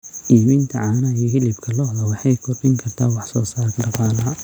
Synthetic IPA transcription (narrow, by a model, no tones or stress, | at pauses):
ʔiːmɪnt̪ʰɐʕɑːnɐiɐɦɪlɪbkʰɐlɔɦðɐwɑħɑjkʰɔrbɪŋkʰɐrt̪ʰaːwɑħsɔːsaːrʰɖɑqɑːlɐɦɐ